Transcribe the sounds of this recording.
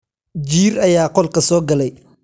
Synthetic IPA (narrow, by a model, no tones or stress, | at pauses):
d͡ʒiːɾɐjaːqɔlkʰɐsɔːɡɐlɛj